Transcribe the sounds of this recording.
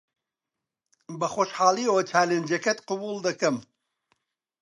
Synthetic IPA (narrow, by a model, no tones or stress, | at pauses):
bɐxoːʃħɑːlˠiot͡ʃʰaːlend͡ʒɐkɐt̪qɨbulˠd̪ɐkɐm